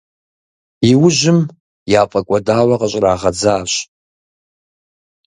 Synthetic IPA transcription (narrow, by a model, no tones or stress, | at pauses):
iwʊʒʷɪm | jaːpʼakʷʼadaːwaqʼaɕʼraːʁad͡zaːɕ